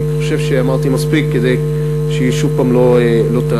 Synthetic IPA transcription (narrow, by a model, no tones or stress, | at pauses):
χoʃe̞vʃeamaʁt̪imaspikːed̪ej | ʃeiʃuvpaːmlo̞elo̞t̪a